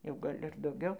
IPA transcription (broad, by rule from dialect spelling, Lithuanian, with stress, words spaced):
jɛʊ ˈɡɐlʲ ɪr dɐʊˈɡʲɛʊ